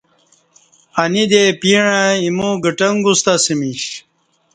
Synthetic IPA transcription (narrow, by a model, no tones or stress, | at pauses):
ɐnid̪epiɻãimũɡəʈɐŋɡust̪ɐsimiɕ